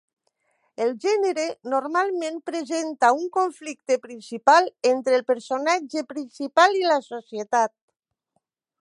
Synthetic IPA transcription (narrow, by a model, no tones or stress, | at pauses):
elʒɛneɾenoɾmalˠmẽmpɾezent̪auŋkoɱflik̚t̪epɾinsipalˠent̪ɾelˠpəɾsonad͡ʒepɾinsipalilasosiet̪at̪̚